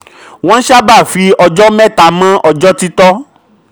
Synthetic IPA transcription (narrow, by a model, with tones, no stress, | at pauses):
w̃ɔ̃˦ʃa˦ba˦˨fi˨˧˦ɔ˧d͡ʒɔ˦mɛ̃˦˨ta˨mã˦ʔɔ˧d͡ʒɔ˦ti˦tɔ˦